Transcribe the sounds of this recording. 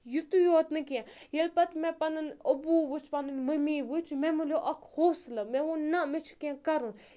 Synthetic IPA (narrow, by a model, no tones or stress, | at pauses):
jut̪ujot̪nɨkɛ̃jelpɐt̪mẽpɐnɨnəbuʋɨt͡ʃʰpɐnɨnməmiʋut͡ʃʰmemulʲoʔɐkhoːslɐmeʋunnɐmet͡ʃʰu̥kẽkɐɾun